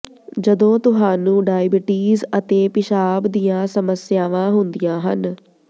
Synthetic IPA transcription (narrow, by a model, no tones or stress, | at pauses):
d͡ʒəd̪õːt̪ʊɦaːnũːɖaːɪbɪʈiːzət̪eːpɪʃaːbd̪ijãːsəməsjaːʋãːɦʊnd̪ɪjãːɦən